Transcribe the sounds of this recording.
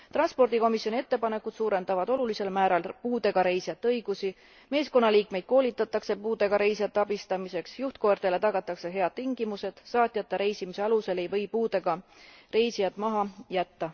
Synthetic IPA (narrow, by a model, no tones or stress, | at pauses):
t̪rɑnspo̞rd̪iko̞misjo̞nʲiet̪ːe̞pɑne̞kːˑud̪suːɾe̞nd̪̥ɑvɑd̪o̞lulise̞lmæːɾɑlpuːd̪e̞ɡ̥ɑɾe̞jsijɑt̪ːˑeɤjɡ̥usi | me̞ːsko̞nːɑliːk̚me̞jd̪̥̚ko̞ːlit̪ːˑɑt̪ːˑɑkse̞puːd̪e̞ɡ̥ɑɾe̞jsijɑt̪ˑːeɑbist̪ɑmise̞ksjuht̪̚ko̞rt̪ele̞t̪ɑɡ̥ɑt̪ːˑɑkse̞ɦe̞ɑd̪̥t̪iŋɡimuse̞d̪̥sɑːt̪ʲːˑjɑt̪ːˑeɾe̞jsimise̞ɑluse̞le̞jvɤjpuːd̪eɡ̥ɑre̞jsijɑd̪̥mɑɦɑjæt̪ːɑ